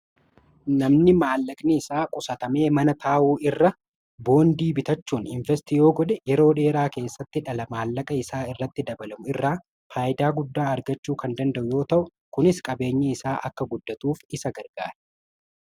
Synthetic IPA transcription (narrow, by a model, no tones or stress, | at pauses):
nɐmnɪmaːlːɐkʼnɪɪsaːkʼʊsɐt̪ɐme̞ːmɐnɐt̪ʰaːʔuːʔɪrːɐ | bo̞ːnd̪iːbɪt̪ɐt͡ʃːuːnɪɱvɛs̬t̪ijo̞ːɡɔᶑ̪ɛjɛɾo̞ːᶑe̞ːɾaːke̞ːsːɐt̪ːɪᶑɐlɐmaːlːɐkʼɐɪsaːɪrːɐt̪ːɪd̪ɐbɐlɐmʊɪrːaː | faːʔɪd̪aːɡʊd̪ːaːɐɾɡɐt͡ʃːuːkɐnd̪ɐnd̪ɐʔʊjo̞ːt̪ɐʔʊ | kʊnɪskʼɐbe̞ːɲːeɪsaːʔɐ̰kːɐɡʊd̪ːɐt̪uːfɪsɐɡɐɾɡ̥a̰ːɾɛ̥